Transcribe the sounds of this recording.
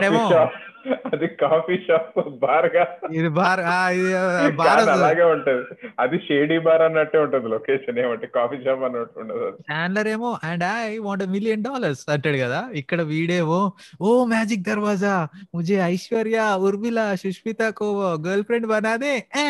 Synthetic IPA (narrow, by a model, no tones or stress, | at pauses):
ɐɖeːoːaːp | ɐd̪ikaːpiʃaːpbaːɾɐɡaːid̪ibaːɾaːidibaːɾːɾɐɐlaːɡeːuɳʈud̪iɐd̪iʃeːɽiːbaːɾɐnːɐʈːeːuɳʈund̪iloːkeːʃɐneːmɐɳʈekaːpʰiːʃaːpɐnːɐʈuɳʈud̪ɐd̪it͡ʃaːnlɐɾeːmoːʔɛɳɖajʋaːɳʈemilijɐnɖaːlɐɾsɐɳʈɐɽikɐd̪aːikːɐɽɐʋiːɽeːmoːoːmjaːd͡ʒik̚d̪ɐɾʋaːd͡ʒamud͡ʒeɐjʃʋɐɾjauɾʋilaʃuʂpit̪aːkoːʋɐɡɐːɾlpʰɾeɳɖbɐnaːd̪e